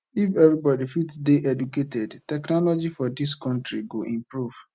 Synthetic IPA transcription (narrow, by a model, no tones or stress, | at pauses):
ifɛvɾibɔdifitsdeʔɛduketɛdtɛknɔlɔd͡ʒifɔdiskɔ̃ntɾiɡoʔĩmpɹuv̥